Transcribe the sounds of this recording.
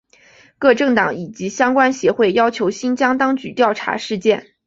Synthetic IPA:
kɤ˥˧ʈ͡ʂɤ˥˩ŋt̪ɑ˨˩˥ŋi˨˩t͡ɕi˧˥ɕjɑ˥ŋkwa˥nɕjɛ˧˥xwe˥˩ɪjɑ˥ʊt͡ɕʰjo˧˥ʊɕi˥nt͡ɕjɑ˥ŋt̪ɑ˥ŋt͡ɕy˧˥t̪jɑ˥˩ʊʈ͡ʂʰa̰˧˥ʂɻ̩˥˧t͡ɕjɛ˥˩n

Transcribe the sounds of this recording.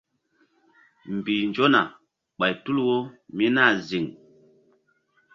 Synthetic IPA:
mbi˨nd͡ʒo˦na˨ | ɓa˨jtu˦lwo˦mi˦na˦˨zi˨ŋ

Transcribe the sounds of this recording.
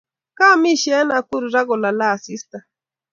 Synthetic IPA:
ka˦˨mi˦˨ʃɛ˨˦na˨ku˦ɾu˨ɾa˦ɣɔ˨la˨la˦˨si˦sta˨

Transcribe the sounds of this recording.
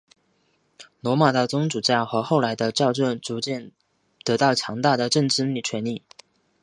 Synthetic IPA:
nwɔ˧˥ma˨˩d̪ə˧˩t͡sʊ˥ŋʈ͡ʂu˨˩t͡ɕja˥˩xɤ˧˥xo˥˩ʊla˧˥ɪd̪ə˧t͡ɕjɑ˥˧ʊʈ͡ʂwə˥˩nt͡su˧˥t͡ɕjɛ˥˩n | t̪ɤ˧˥t̪ɑ˥˩ʊt͡ɕʰjɑ˧˥ŋt̪a˥˩d̪ə˩ʈ͡ʂɤ˥˧ŋʈ͡ʂɻ̩˥li˥˩t͡ɕʰɥɛ˧˥nli˥˩

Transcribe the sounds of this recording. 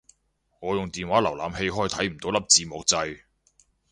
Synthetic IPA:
ŋɔː˨˧jʊ˨ŋt̪iː˨nwaː˨˥lɐ˨˩wla̰ː˨mhe˧jɦɔː˥˩jt̪ʰɐ˨˥jm̩˨˩t̪o˨˥wlɐ˥p̚t͡siː˧mɔː˨k̚t͡sɐ˧j

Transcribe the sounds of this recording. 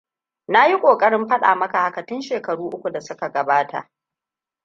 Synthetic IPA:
na˦ji˦kʷʼoː˨kʼɐ˦ɽɪ˦mɸɐ˦ɗa̰ː˨mɐ˦ka˨ha˨kɐ˨tɪ˦nʃeː˨kɐ˨ɽuː˦ʔʊ˦kʷu˨da˨sʊ˦ka˨ɡɐ˨baː˦tʰa̰˨ʔ

